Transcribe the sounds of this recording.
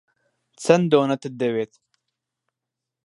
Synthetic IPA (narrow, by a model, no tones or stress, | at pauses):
t͡sɐnd̪oːnɐt̪ɨd̪eweːt̪